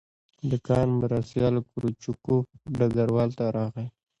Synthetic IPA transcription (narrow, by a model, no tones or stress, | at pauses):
d̪əkɑːnmʊɾast̪jɑːlkʊɾut͡ʃukuɖaɡaɾwɑːlt̪aɾɑɣe